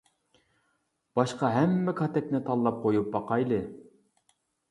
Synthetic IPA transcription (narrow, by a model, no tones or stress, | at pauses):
b̥ɑʃqɑɦɛmːɛkʰɑt̪ɛkʲnɪt̪ʰɑlˠːɑp̚qʰojup̚bɑqɑjlˠɨ